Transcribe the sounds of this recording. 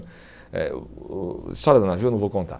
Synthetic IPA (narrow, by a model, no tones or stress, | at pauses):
ɛ̰ | st̪ɔɾɐd̪ɐnavenɐ̃vokõnt̪a̰